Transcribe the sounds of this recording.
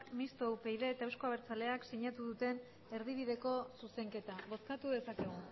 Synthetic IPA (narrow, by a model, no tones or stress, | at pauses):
kmist̪owpe̞jðe̞ːt̪aewsko̞aβeɾt͡sale̞aksiɲat̪uðut̪e̞n | e̞ɾð̞iβiðe̞ko̞suse̞ŋke̞t̪aβo̞skat̪uðe̞sake̞ɣ̞u